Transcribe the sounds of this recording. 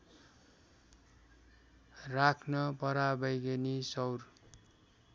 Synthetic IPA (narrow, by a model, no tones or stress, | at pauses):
rakʰnʌpʌɾabʌjɡenisʌwr